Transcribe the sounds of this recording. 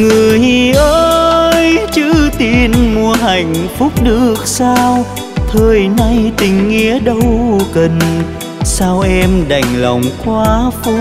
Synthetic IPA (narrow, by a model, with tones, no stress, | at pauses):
ŋɨ˨˩əjhi˧˩ʔəː˧jt͡ɕɨ˧˥t̪i˨˧˩nmu˧˩əɦa˨˩jŋ̟fʊ˦˥k͡p̚ɗɨ˨˩ək̚saː˧w | t̪ʰəː˨˩jna˧jt̪ï˨˩ŋ̟ːi˧˥əɗə˧wkə˨˩n | saː˧wʔɛ˧mɗa˨˩jŋ̟la̰˨˩wŋ͡mxwaː˨˧˦fu˧˦